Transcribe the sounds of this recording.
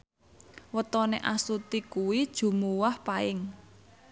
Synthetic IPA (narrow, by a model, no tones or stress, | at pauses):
wət̪ɔneʔasut̪ikuwid̥ʒ̥ṳmuwahpaɪŋ